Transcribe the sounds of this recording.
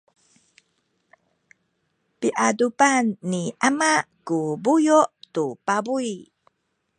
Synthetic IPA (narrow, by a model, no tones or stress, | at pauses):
piʔadupanːiʔamaʔkubujuʔtupabuj